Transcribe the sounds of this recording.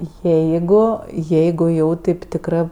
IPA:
ˈjɛɪɡʊ ˈjɛɪɡʊ jɛʊ ˈtʲeːp tʲɪkˈrɜ

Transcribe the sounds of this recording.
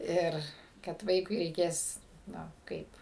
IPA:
ˈɪr kɐt ˈʋɐɪkʊɪ rʲɛɪˈkʲeːs ˈnʊ ˈkɐɪp

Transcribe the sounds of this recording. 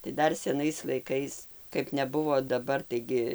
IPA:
tɐɪ ˈdɐr sʲɛˈnɐɪs lˠɐɪˈkɐɪs kɐɪp nʲɛˈbʊʋoː dɐˈbɐr tɐɪˈɡʲɪ

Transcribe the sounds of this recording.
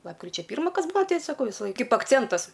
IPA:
ˈlˠɑːpkrʲɪt͡ʃʲɛ ˈpʲiːrmɐ ˈkɐs ˈbʊɐ ˈtʲɛɪ sɐˈkɐʊ ˈʋʲɪsɐ ˈlˠɐɪ ˈkɐɪp ɐkˈt͡sʲɛntɐs

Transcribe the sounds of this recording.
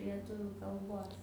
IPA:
lʲiɛˈtʊʋʲʊ kɐlˠˈboːs

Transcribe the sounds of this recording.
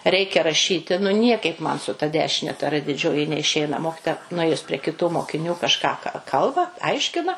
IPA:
ˈrʲɛɪkʲɛ rɐˈʃʲiːtʲɪ nʊ ˈnʲiɛkɐɪp ˈmɐn sʊ tɐ ˈdʲæːʃʲɪnʲɛ tɐ ˈrɘ dʲɪˈd͡ʒʲoːjɪ nʲɛɪˈʃʲɛɪnɐ ˈmoːkʲɪtoːjɛ nʊˈeːjʊs pʲrʲɛ kʲɪˈtuː moːkʲɪˈnʲuː kɐʃˈkɑː kɐ ˈkɐlˠbɐ ˈɐɪʃʲkʲɪnɐ

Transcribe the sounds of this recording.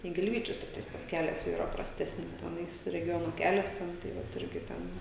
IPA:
ɪ ɡʲɪlʲˈʋʲiːt͡ʃʲʊs tʲɪkˈtɐɪs tɐs ˈkʲæːlʲɛs jɛʊ iːˈrɐ prɐsʲˈtʲæːsʲnʲɪs tʲɛˈnɐɪs rʲɛˈɡʲoːnoː ˈkʲæːlʲɛs tʲɛn tɐɪ ˈʋɐt ˈɪrʲɡʲɪ ˈtʲɛn

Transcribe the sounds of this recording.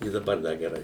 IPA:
ɪ dɐˈbɐr ˈdɐ ɡʲɛˈrɐɪ

